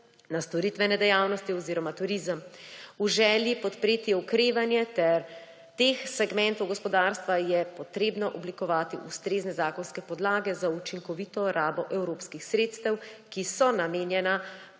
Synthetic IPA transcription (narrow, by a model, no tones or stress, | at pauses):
nast̪ɔɾit̪ʋɛnɛd̪ɛjaːwnɔst̪iɔziːɾɔmat̪uɾiːzəmuʒɛːljipɔt̪pɾeːt̪iɔkɾeːʋanjɛt̪ɛɾ | t̪eːxsɛɡmɛnt̪ɔwɡɔspɔd̪aːɾst̪ʋajɛpɔt̪ɾeːbnɔʔɔblikɔʋaːt̪iʔust̪ɾeːznɛzaːkɔnskɛpɔd̪laːɡɛzaut͡ʃiŋkɔʋit̪ɔɾʔaːbɔʔɛwɾoːpskixsɾeːt̪st̪ɛwkisɔnameːnjɛna